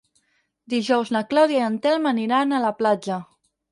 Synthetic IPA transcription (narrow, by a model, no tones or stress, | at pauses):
d̪iʒɔwznəklawðjaənt̪ɛlˠməniɾanələplad͡ʒə